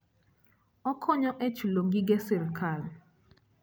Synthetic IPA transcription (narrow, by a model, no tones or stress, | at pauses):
ɔkʰɔɲɔʔɛt͡ʃuloŋɡiɡɛsɪlkʰal